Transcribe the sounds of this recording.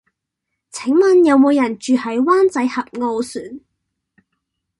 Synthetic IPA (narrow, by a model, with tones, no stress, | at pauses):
t͡sʰɪ˨˥ŋmɐ˨njɐ˨˧wmo˨˧wjɐ˨˩nt͡ʃyː˨˧hɐ˨˥jwaː˥nt͡sɐ˨˥jhɐ˨p̚ŋo˧wsyː˨˩n